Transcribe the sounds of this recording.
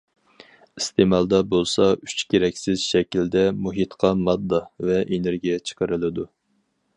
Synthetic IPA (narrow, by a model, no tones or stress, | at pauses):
ist̪ʰemɑlˠd̪ɑbolˠsɑyt͡ʃkʲʰeɾɛkʲsɪzʃɛkʲild̪ɛmuɦɨt̪qʰɑmɑd̪ːɑvɛʔeneɾɡʲijɛt͡ʃʰə̥qʰəɾɨlˠɨd̪u